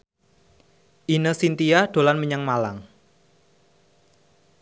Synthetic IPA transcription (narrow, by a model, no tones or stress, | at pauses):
ʔinəsint̪iaɖ̥o̤lanməɲaŋmalaŋ